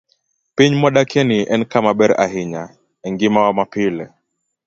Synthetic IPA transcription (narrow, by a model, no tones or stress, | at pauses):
piɲmɔɗakɛniʔɛnkamaɓɛɾa̰ɦiɲa | ɛŋɡimawamapilɛ